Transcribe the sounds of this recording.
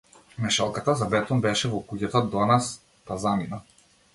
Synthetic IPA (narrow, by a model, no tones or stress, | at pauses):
mɛʃalˠkat̪azabɛt̪ɔmbɛʃɛvɔkuɟat̪ad̪ɔnas | p̪azamina